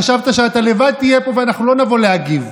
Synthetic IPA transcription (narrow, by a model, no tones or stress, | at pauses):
aʃavt̪aʃeat̪ale̞vad̪̚t̪ijepo̞veanaχnulo̞navo̞leaɡiv